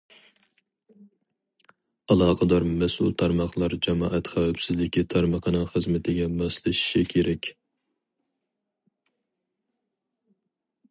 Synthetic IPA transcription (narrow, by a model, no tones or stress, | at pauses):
ɑlˠɑːqʰəd̪ɑɾmɛsṵlˠt̪ʰɑɾmɑχlˠɑɾd͡ʒɛmɑːʔɛt̪χæwæpsɪzlɪkʲit̪ʰɑɾməqʰənɨŋχəzmɪt̪ʰɪɡʲɛmɑslˠɨʃi̥ʃikʲʰeɾɛkʲ